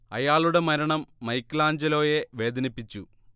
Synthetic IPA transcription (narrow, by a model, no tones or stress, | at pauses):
ɐ̰jaːɭuɽe̞mɐɾɐɳɐmːɐjkːlaːɲd͡ʑɐlo̞ːje̞ʋe̞ːd̪ɐnipːit͡ɕːu